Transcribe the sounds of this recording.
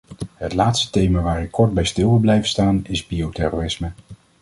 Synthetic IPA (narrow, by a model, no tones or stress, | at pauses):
ɦətlaːtstə̥tejmaːʋaːɾɪkʰːɔɹd̚bɛjstɪlˠʋɪlˠblɛjvəstaːnɪzbiowtɛroːrɪsmə